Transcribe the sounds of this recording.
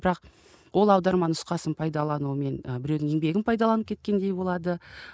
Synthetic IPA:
bɪɾɑq | wʔo̞lˠɑwd̪ɑɾmɑnʊsqɑsənpʰɑjd̪ɑlˠɑnuəme̞nbɪɾe̞wd̪ɪŋe̞ŋbe̞ɡʲɪnpʰɑjd̪ɑlˠɑnəp̚kʰʲe̞t̪̚kʲe̞nd̪e̞jbo̞lˠɑd̪ə

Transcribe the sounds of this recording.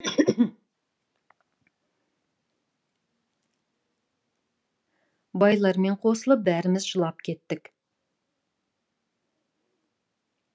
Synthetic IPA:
bɑjlˠɑɾme̞ɴqʰo̞səlˠəp̚bæɾɪmɪzʒəlˠɑpkʲʰe̞t̪ːɪk

